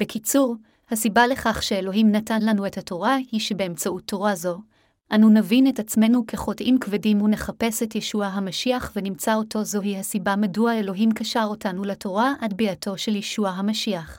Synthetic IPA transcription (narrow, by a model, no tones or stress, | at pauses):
b̥ekit͡suʁ | hasibale̞χaχʃe̞elo̞ɦimnatanlanue̞thato̞ʁahiʃebeemt͡sautʰːo̞ʁazo̞ | ʔanunavine̞tat͡sme̞nukʰeχo̞tʔimkvedimhune̞χape̞setjeʃuaɦamaʃiaχvenimt͡sao̞tʰo̞zo̞ɦihasibamaduaelo̞ɦimkaʃaʁo̞tanulatʰo̞ʁaʔadbiatʰo̞ʃe̞ljeʃuaɦamaʃiaχ